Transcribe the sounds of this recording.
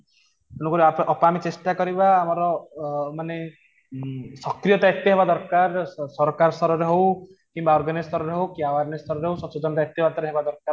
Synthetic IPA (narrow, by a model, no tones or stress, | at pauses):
kunɔkuɾiapʔɔpamit͡ʃesʈakɔɾibaːmɔɾɔmane | sɔkɾijɔt̪aet̪ːɔɦebad̪ɔɾkaɾsɔɾɔkaɾɔst̪ɔɾɔɾeɦew | kimbaɔɾɡanist̪ɔɾɔɾeɦowkiawaɾnest̪ɔɾɔɾeɦowsɔsud͡ʒɔnɔt̪aet̪ibat̪ɔɾeɦebad̪ɔɾkaɾ